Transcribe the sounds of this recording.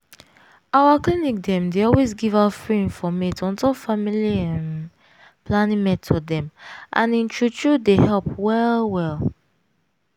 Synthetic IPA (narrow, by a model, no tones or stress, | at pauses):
awaklinik̚dɛ̃mdeɔlwesɡivafɹiĩnfɔmetɔ̃ntɔfamiliãn | planĩŋmɛtʰɔdɛ̃mʔã̰nĩnt͡ʃʰɹut͡ʃudehɛlpwɛlwɛl